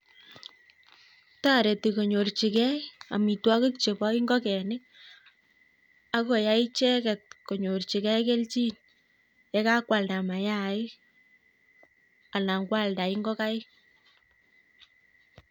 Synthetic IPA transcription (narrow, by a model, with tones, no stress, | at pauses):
ta˦ɾe˨ti˨ko˨ɲo˨rt͡ʃi˨kɛ˦a̰˨mi˨twɔ˦kɪ˦kt͡ʃe˨pɔ˦i˦ŋɡɔ˦kɛ˨nɪ˦k̚ | a˦kɔ˨ja˦ɪ˦t͡ʃɛ˦kɛ˨t̚ko˨ɲo˨rt͡ʃi˨kɛ˦ke˦lt͡ʃi˦n | jɛ˦ka˦kwa˨lda˨ma˨ja˦ɪ˦ | a˨la˨ŋɡwa˦lda˨ɪ˦ŋɡɔ˦ka˦